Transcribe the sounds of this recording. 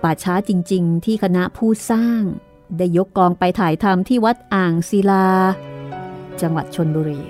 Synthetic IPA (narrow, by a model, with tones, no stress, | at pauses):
paː˨˩t̚t͡ɕʰaː˦˥t͡ɕi˧ŋt͡ɕi˧ŋt̪ʰiː˥˩kʰa˧na˦˥pʰuː˥˩saː˥˩ŋ | daː˥˩jːo˦˥kːlɔː˧ŋpa˧jt̪ʰaː˨˩˦jt̪ʰa˧mt̪ʰiː˥˩wa˦˥t̪̚ʔaː˨˩ŋsi˧laː˧ | t͡ɕa˧ŋwa˨˩t̪̚t͡ɕʰo˧nbuː˧ɾiː˧